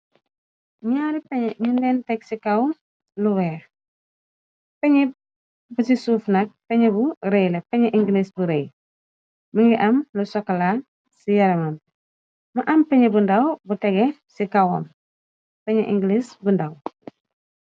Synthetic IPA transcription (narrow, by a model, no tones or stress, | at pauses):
ɲaːɾipɛɲɛɲundɛːntɛk̚sikɐw | luwɛːx | pɛɲi | busisuːfnɐk̚pɛɲɛbuɾejlɛpɛɲɛʔiŋɡlisbuɾej | mɐŋɡiʔɐmlusɔkɐla | sijɐɾɐmɐm | mɐʔɐmpɛɲɛbundɐwbutɛɡɛsikɐwɐ̰m | pɛɲɛʔiŋɡlisbundɐw